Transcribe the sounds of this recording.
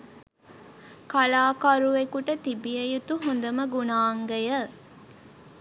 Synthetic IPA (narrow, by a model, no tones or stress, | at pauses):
kɐlaːkaɾuʋekuʈət̪ibijejut̪uɦund̪ɐməɡunaːŋɡɐjə